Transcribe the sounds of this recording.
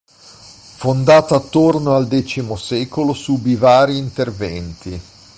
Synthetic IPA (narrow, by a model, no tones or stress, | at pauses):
fond̪aːt̪aːt̪ːornoald̪ɛt͡ʃimosɛːkolosubivaːɾiːnt̪ervɛnt̪i